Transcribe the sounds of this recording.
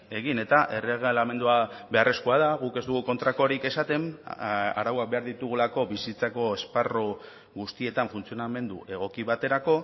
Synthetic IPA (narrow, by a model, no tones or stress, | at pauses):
e̞ɣ̞ine̞t̪aʔe̞reɣelame̞nd̪uabe̞are̞skoaðaɣuke̞zd̪uɣ̞uko̞nt̪ɾako̞ɾike̞sat̪e̞ma̰ɾawak̚be̞aɾðit̪uɣ̞ulako̞βisit͡sako̞e̞sparo | ɣust̪ie̞t̪aɱfunt͡sio̞name̞nd̪uʔe̞ɣ̞o̞kiβat̪e̞ɾako̞